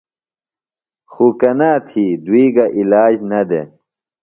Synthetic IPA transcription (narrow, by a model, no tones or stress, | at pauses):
xukɐnaːt̪ʰiːd̪wiːɡɐʔilaːd͡ʑnɐd̪ḛ